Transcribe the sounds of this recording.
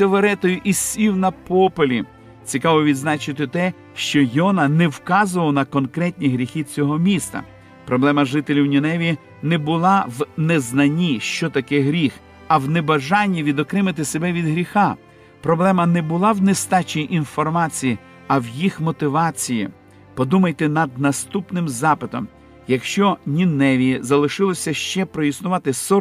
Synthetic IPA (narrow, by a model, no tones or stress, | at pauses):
sʲɔʋeɾɛt̪ɔjʊʔisʲiwnɐpɔpolʲi | t͡sʲikɑʋɔʋʲid̪znɑt͡ʃɪt̪ɪt̪ɛ | ʃt͡ʃɔjɔnɐnɛwkɑzʊʋɐlˠnɐkɔnkɾɛt̪ʲnʲiɦɾʲixit͡sʲɔɦɔmʲist̪ɐ̰ | pɾɔblˠɛmɐʒɪt̪elʲiwnʲinɛʋʲi | nɛbʊlˠɑwnɛznɐnʲiʃt͡ʃɔt̪ɐkɛɦɾʲix | ɐwnebɐʒɑnʲːiʋʲid̪ɔkɾɪmɪt̪ɪsebɛʋʲid̪ɦɾʲixɑ | pɾɔblˠɛmɐnɛbʊlˠɑwnest̪ɑt͡ʃijiʔinfɔrmɑt͡sʲiji | ɐwjixmɔt̪ɪʋɑt͡sʲijḭ | pɔd̪umɐjt̪ɛnɐd̪̚nɐst̪upnɪmzɑpɪt̪ɔm | jɐkʃt͡ʃɔnʲinɛʋʲizɐlˠɪʃɪlˠɔsʲɐʃt͡ʃɛpɾɔjisnʊʋɑt̪ɪsɔ